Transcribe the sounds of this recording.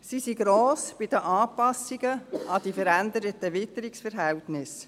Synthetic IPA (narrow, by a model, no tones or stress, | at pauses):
sisiɡɾoːsb̥id̥̪əʔɑːpɑsːiɡəɑd̥̪ifəɾænd̪əɾətəʋɪt̪əɾiksfəɾɦɛltnɪs